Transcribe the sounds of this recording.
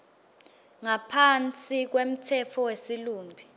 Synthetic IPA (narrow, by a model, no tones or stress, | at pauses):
ŋapʰant͡sʼik̬wem̩tʰɛfʰɔwesiluːmbʱi